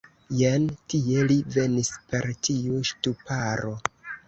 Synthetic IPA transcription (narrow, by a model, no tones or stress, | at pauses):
jentie̞live̞nispe̞ɾtiuʃtupaɾo̞